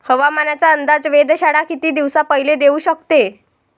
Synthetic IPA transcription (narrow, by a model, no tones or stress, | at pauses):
həʋamanat͡ɕjaənd̪ad͡zʋed̪ɕaɽakit̪iːd̪iʋsapəɦiled̪euːɕəkt̪e